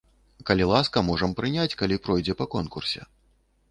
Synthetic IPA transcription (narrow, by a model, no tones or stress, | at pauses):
kɐlʲilˠaskɐmɔʐɐmpɾɨnʲat͡sʲkalʲipɾɔjd͡zʲɛpɐkɔnkursʲɛ̰